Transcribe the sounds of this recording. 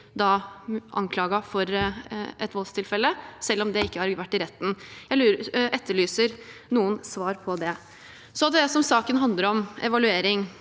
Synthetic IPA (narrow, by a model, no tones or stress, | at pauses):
d̪ɑʔɑ̰ŋkʰlɑːɡɑfɔɾʔɛt̪ʋɔlst̪ɪlfɛlːəsɛlːɔmd̪ɛɪkːəhɑɾʋæʈːɪɾɛt̪ːn̩jælːʔɛt̪ːəɭyːsəɾnuːənsʋɑːɾpʰɔd̪ɛ | sɔd̪ɛsɔmsɑːkənɦɑnd̪əɾɔmɛ̰ʋɑlʉeːɾɪŋ